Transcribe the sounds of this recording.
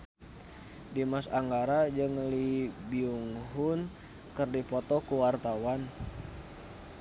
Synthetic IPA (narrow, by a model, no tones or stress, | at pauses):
dimasaŋɡaɾad͡ʒɨŋlibiuŋɦun | kərdipɔt̪ɔkuwart̪awan